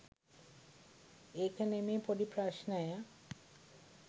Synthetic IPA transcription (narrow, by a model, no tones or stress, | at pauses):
ekanemepoɾipɾaʃnaja